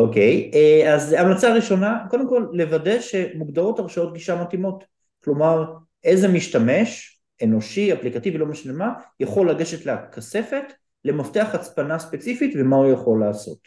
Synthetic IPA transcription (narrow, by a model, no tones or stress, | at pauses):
okejeazamat͡saːʁiʃo̞nakod̪emko̞lːe̞vade̞ʃemuɡd̪ao̞taʁʃao̞t̪ɡiʃamatimo̞t | klo̞maʁ | e̞jzemiʃtame̞ʃ | e̞no̞ʃiaplikativilo̞maʃlemajaχo̞lːaɡeʃetleakʰase̞fe̞t | le̞mafteaχat͡spanaspe̞t͡sifitve̞maujaχo̞lːaːso̞̰t